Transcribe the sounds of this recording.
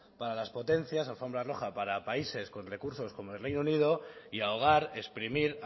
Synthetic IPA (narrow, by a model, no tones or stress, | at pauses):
paɾalaspo̞t̪e̞n̟θjas̬alfo̞mbɾaro̞xapaɾapaise̞skonre̞kuɾso̞sko̞moe̞lrejnounið̞o̞iao̞ɣ̞aɾe̞spɾimiɾ